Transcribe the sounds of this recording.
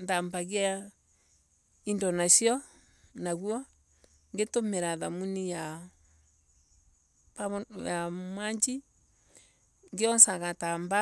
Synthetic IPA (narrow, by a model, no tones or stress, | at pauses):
ndambaɣja | indɔnasiɔ | naɣwɔ | ŋɡetomeɾaðamunija | pajamaɲd͡ʒi | ŋɡeɔnsaɣatamba